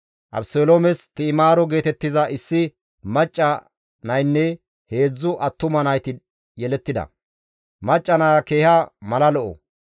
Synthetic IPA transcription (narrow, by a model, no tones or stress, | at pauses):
ʔɐ̰bsoːloːmɛst̪ɪːmaːɾɔɡe̞ːt̪ɛt̪ːɪzɐʔɪsːɪ | mɐt͡ʃʼːɐ | nɐjnːɛ | he̞ːd͡zːʊʔɐt̪ːʊmɐnɐjt̪ɪ | jɛlɛt̪ːɪd̪ɐ̰ | mɐt͡ʃʼːɐnaːke̞ːhɐmɐlɐlɔʔɔ̰